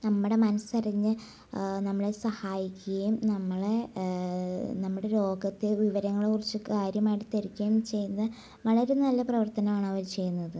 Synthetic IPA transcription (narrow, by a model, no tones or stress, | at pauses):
nɐmːuɽe̞mɐnɐsɐrɐɲːɨ | nɐmːɐɭe̞sɐhaːjikʲːuɣɐjumnɐmːɐɭe | nɐmːuɽe̞lo̞ːɡɐt̪ːeʋiʋɐɾɐŋːɐɭekːurit͡ɕːɨkaːɾjɐmaːjiʈɨt̪ːeɾikʲːɐjumt͡ɕe̞junːɐð | ʋɐɭɐɾenɐlːɐprɐʋɐrt̪ɐnɐmaːɳɐʋɐɾt͡ɕe̞jːunːɐðɨ